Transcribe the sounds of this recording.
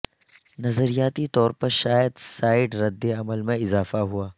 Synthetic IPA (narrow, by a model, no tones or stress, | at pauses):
nɐzəɾijaːt̪it̪ɔːɾpɐɾʃaːjəd̪saːɪɖɾɐd̪ːeɐməlmẽɪzaːfaɦuaː